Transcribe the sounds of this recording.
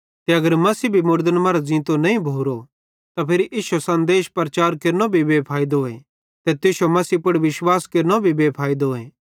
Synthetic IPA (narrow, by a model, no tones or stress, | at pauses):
t̪eɐɡəɾmɐsiːbʱimʊɾd̪ənmaːɾazĩːt̪onɐĩbʱoːɾo | t̪apʰeɾiʔiːʃosɐ̃nd̪eːʃpɾɐt͡ʃaːɾkeːɾnobʱibeːpʰaːid̪ɦoːẽ | t̪et̪ɪʃomɐsiːpʊɽʋɪʃwaːskeːɾnobʱibeːpʰaːid̪oeː